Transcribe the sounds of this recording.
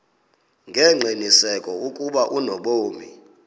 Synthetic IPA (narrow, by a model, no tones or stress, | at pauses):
ŋɡʱɛŋ͡ǀʱinisɛkʼɔukʼuɓaʔunɔɓoːmi